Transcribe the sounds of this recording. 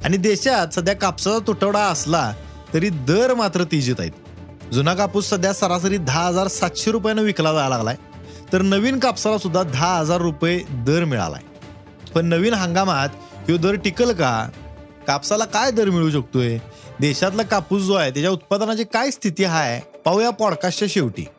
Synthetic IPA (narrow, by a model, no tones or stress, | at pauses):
a̰ɽ̃id̪eɕat̪səd̪ʱjakapsat͡sat̪uʈəʋɽaəsla | t̪əɾiːd̪əɾmat̪ɾət̪id͡ʑiːt̪a̰ḭt̪̚ | d͡zunakapuːssəd̪ʱjasəɾas̬əɾiːd̪ʱaɦəd͡zaɾsat̪ɕeɾup̬janəʋiklad͡zaalaɡla̰j | t̪əɾnəʋiːnkapsalasud̪ʱːad̪ʱaɦəd͡zaɾːuped̪əɾmiɭa̰la̰j | pəɳnəʋiːnɦãŋɡamat̪ | kĩad̪əɾʈikəlka | kapsalakajd̪əɾmiɭuːɕ̬ək̚t̪ujed̪ɛɕat̪̬lakapuːsd͡zoajt̪̬jat͡ɕjaut̪̚pad̪ənat͡ɕikajst̪ʰit̪iːɦajpawjapɔɽkast͡ɕaɕeʋʈḭː